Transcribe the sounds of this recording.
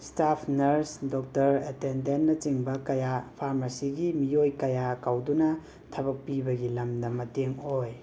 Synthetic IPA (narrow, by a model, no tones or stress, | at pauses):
stapʰnɐɾsdɔk̚tɐɾetendenːɐt͡ʃiŋbɐkɐjapʰaɾmasiɡimijojkɐjakawdunɐ | tʰɐβɐk̚pibɐɡilɐmdɐmɐteŋoj